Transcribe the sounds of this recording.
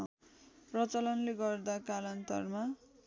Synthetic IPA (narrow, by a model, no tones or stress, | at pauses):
prʌt͡sʌlʌnleɡʌrd̪akalʌnt̪ʌ̰rma